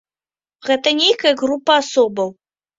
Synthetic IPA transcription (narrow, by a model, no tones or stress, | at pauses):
ɣɛt̪ɐnʲejkɐjɐɣɾupːɐasɔbɐw